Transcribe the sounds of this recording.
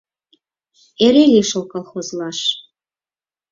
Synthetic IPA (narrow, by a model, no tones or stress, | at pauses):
eɾelʲiʃŏlˠkɑlˠχozlˠɑʃ